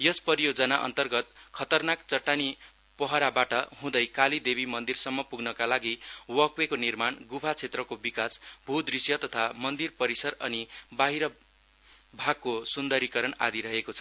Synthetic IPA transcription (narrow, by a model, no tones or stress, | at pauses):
jʌspʌɾijoɡd͡zʌnaʔʌ̰nt̪ʌrɡʌt̪̚kʰʌt̪ʌrnakt͡sʌʈːani | pʌɦʌɾabaʈʌɦũd̪ʌjkalid̪ebimʌnd̪irsʌmːʌpuɡnʌkalaɡiwʌkwekonirmanɡubʰʱat͡sʰet̪rʌkobikasbʱud̪risjʌt̪ʌt̪ʰamʌnd̪irpʌɾisʌɾʌnibaɦiɾʌ | bʱaɡ̚kosund̪ʌɾikʌɾʌna̰d̪iɾʌɦekot͡sʰʌ̥